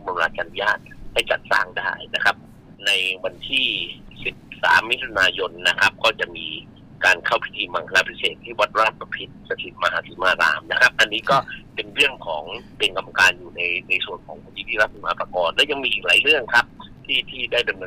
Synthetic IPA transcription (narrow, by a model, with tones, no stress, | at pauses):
ma˧mlaː˧t̪t͡ɕa˧nu˦jaː˥˩t̪̚ha˥˩jt͡ɕa˨˩t̪̚sa̰ː˥˩ŋdaː˥˩jna˦˥kʰa˦˥p̚ | na˧jwa˧nt̪ʰiː˥˩si˨˩p̚sa̰ː˩˦mːi˦˥t̪ʰu˧naː˧jo˧nːa˦˥kʰa˦˥p̚kɔː˥˩t͡ɕa˨˩ʔmiː˧ | kaː˧nkʰa˥˩wpʰi̥˦˥t̪ʰiː˧ma˨˩ŋkʰa˧laː˧˩pʰi˦˥seː˨˩t̪ʰːiː˥˩wa˦˥t̪̚ɾaː˥˩t̪̚pa˧pʰi˦˩t̪̚sa˧t̪ʰi˨˩t̪̚ma˧ɦaː˨˦˥si˨˩˦maː˧ɾa̰ː˧mna˦˥kʰa˦˥p̚ʔa˧nːiː˦˥kɔː˥˩pe˧nɾɯ˥˩əŋkʰɔː˩˦ŋpe˧nka˧ma˧kaː˧njuː˨˩na˧jna˧jsu˨˩ənkʰɔː˩˦ŋpʰa˧t̪ʰiː˧˦t̪ʰiː˥˩ɾa˦˥˩p̚ʰi˨˧˩maː˨˦pɾa˧kɔː˧nlɛː˦˥wja˧ŋmiː˧ʔiː˨˩k̚laː˩˦jɾɯ˥˩əŋkʰa˦˥p̚t̪ʰiː˥˩t̪ʰiː˥˩daː˥˩jdɤ˧mnɤː˧